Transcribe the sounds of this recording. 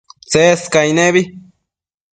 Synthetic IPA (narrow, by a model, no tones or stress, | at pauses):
t͡seskajneβi